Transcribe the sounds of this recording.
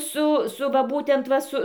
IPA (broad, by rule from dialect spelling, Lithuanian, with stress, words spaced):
ˈsʊ ˈsʊ ʋɐ ˈbuːtʲɛnt ˈʋɐ sʊ